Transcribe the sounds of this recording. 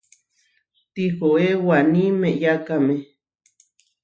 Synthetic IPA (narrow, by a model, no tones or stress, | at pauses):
t̪ihoewanĩmeʔjakame